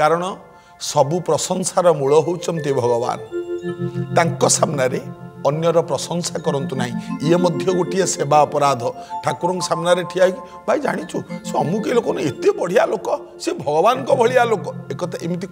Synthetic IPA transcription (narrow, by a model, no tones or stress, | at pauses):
kaɾɔɽ̃ɔ | sɔbupɾɔsɔŋsaɾɔmuɭɔɦowt͡ʃʰɔnt̪ebʱɔɡɔba̰nɔ | t̪aŋkɔsamnaɾeɔnjɔɾɔpɾɔsɔŋsakɔɾɔnt̪unaɦĩiemɔd̪ʱjɔɡoʈʰiesebaɔpɔɾad̪ʱɔʈʰakuɾɔŋkɔsamnaɾeʈʰiaɦiki | bʱajd͡ʒa̰ɽ̃it͡ʃʰuseɔmũkelokɔnet̪epɔɽ̤ialokɔ | sebʱɔɡɔbanɔkɔbʱɔɭialokɔekɔt̪aʔemit̪i